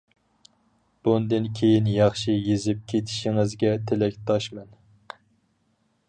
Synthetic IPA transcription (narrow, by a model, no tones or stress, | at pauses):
b̥und̪ɨnkʲʰejinjɑχʃijezɪp̚kʲʰet̪ʰi̥ʃiŋɪzɡʲɛt̪ʰelɛkʲt̪ʰɑʃmɛn